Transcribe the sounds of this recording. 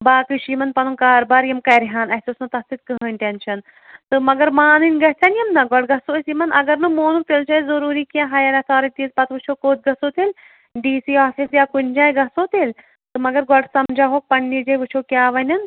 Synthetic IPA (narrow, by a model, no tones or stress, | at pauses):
baːkɨʃimɐnpɐnunkaːɾbaːɾjɐmkɐjɾiɦaːnɐɦsʲosnɐt̪ɐst̪it̪̚kɨɦənʲʈenʃʰɐn | t̪ɨmɐɡɐɾmaːnɨnʲɡɐɦt͡sʰɐnjɐmnɐɡɔʈɡɐsoɐsimɐnʔɐɡɐɾnɨmoːnuk̚t̪elt͡ʃʰɐizɐɾuːɾiːkãɦɐjɐɾɐt̪ʰaːɾɐnʲt̪iːzpɐt̪ʰʋɨt͡ʃʰoːkoːt̪̚ɡɐsoːt̪ilʲ | ɖiːsiːaːfisjaːkund͡ʒãːjɡɐsoːt̪ilʲ | t̪ɨmɐɡɐɾɡɔʈsɐmd͡ʒʱaɦoːk̚pɐɳːid͡ʒɐjʋɨt͡ʃʰoːkʲjaːʋɐnʲɐn